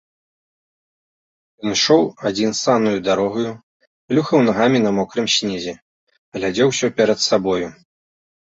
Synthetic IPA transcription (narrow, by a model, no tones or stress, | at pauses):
jɔnʂɔwad͡zʲinsanujud̪aɾɔɣɐju | lʲuxɐwnaɣamʲinɐmɔkɾɨmsʲnʲɛzʲɛ | ɣlʲad͡zʲɛwsʲɔpʲɛɾɐt̪sabɔju